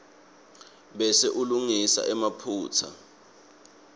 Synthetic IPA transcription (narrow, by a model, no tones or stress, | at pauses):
ɓɛsɛʔuluŋisa̰ʔɛmapʰuːt͡sʰa̰